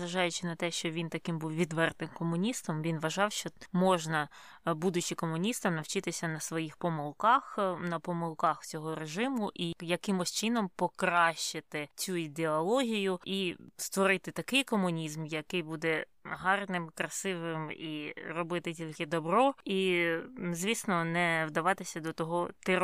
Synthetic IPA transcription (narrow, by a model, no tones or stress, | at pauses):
zʋɐʒɑjʊt͡ʃɪnɐt̪ɛʃt͡ʃɔʋʲint̪ɐkɪmbuwʋʲid̪ʋɛrt̪ɪmkɔmʊnʲist̪ɔmʋʲinʋɐʒɑwʃt͡ʃɔmɔʒnɐ | bud̪ʊt͡ʃɪkɔmʊnʲist̪ɐmnɐwt͡ʃɪt̪ɪsʲɐnɐsʋɔjixpɔmʊlˠkɑxnɐpɔmʊlˠkɑxt͡sʲɔɦɔɾeʒɪmʊʔijɐkɪmʊʃt͡ʃɪnɔmpɔkɾɑʃt͡ʃːɪt̪ɪt͡sʲuid̪eɔlˠɔɦʲijʊist̪ʋɔɾɪt̪ɪt̪ɐkɪjkɔmʊnʲizmjɐkɪjbud̪ɛ | ɦɑrnɪmkɾɐsɪʋɪmirɔbɪt̪ɪtʲilʲkɪd̪ɔbɾɔi | zʲʋʲisnɔnɛwd̪ɐʋɑt̪ɪsʲɐd̪ɔt̪ɔɦɔt̪ɪ